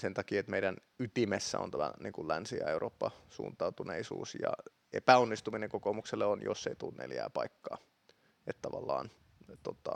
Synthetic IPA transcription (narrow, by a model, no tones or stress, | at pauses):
sent̪ɑkiːet̪meiɾæn | yt̪imesːæ̰o̰nt̪æmæniŋkullænsiæeurʔoːpːɑsṵːnt̪ɑut̪uneisṵːsjɑ̰ | epæonːist̪umineŋkokomukselːeonjo̰sːeit̪ulːnʔḛljæ̰ːpɑikːɑː | et̪t̪ɑʋɑlːɑːn | t̪ot̪ːɑ